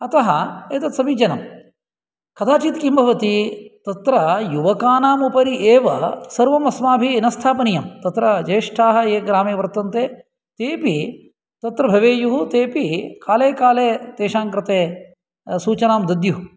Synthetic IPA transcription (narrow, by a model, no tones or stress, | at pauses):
ɐt̪ɐɦɐeːt̪ɐt̪sɐmid͡ʒɐnɐm | kɐd̪ʰaːt͡ʃit̪kimbʱɐʋɐt̪it̪ɐt̪ɾɐjuʋɐkaːnaːmupɐɾiʔeːʋɐ̰sɐɾʋɐmɐsmaːbʱiːnɐst̪ʰaːpɐnijɐmt̪ɐt̪ɾɐd͡ʒɐjʂʈʰaːɦɐ̆eːɡɾaːmeːʋɐɾt̪ɐnt̪eː | t̪eːpi | t̪ɐt̪ɾɐbʱɐʋeːjuɦut̪eːpikaːleːkaːleːt̪eːʂaːŋkɾɪt̪eː | suːt͡ʃɐnaːmd̪ɐd̪juɦu